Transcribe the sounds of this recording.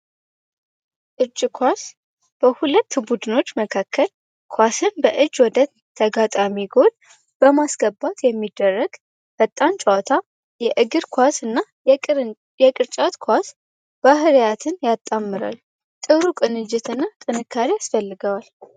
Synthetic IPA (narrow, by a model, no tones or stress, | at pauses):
ʔɨd͡ʒkʰʷas | b̥əhulət̪ːbud̪ɨno̞t͡ʃːməkʰakʰːəl | kʰʷasɨnbəʔɨd͡ʒːwɔd̪ə | t̪ʰːəɡat̪ʼamiɡo̞d̪ | b̥əmasɡ̥əbːat̪jɛmːid̪ːərːəɡ | b̥ət̪ʼːant͡ʃʼəwat̪ʰa | jɛʔɨɡɨɾkʰʷasɨnːa | jɛkʼɨɾt͡ʃʼat̪kʰʷas | b̥aɦɾjat̪ʰɨnjat̪ʼːamːɨɾa̰l | t̪ʼɨɾukʼɨnɨd͡ʒɪt̪ɨnːat̪ʼɨnɨkʰːaɾijasfəlːɨɡəwal